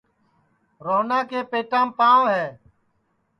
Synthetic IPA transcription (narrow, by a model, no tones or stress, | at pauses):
ɾoːnãːkeːpeːʈãːmpaːʋɦɛː